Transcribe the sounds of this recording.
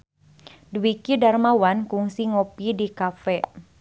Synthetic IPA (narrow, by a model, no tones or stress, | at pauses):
duwikidarmawankuŋsiŋopidikafɛ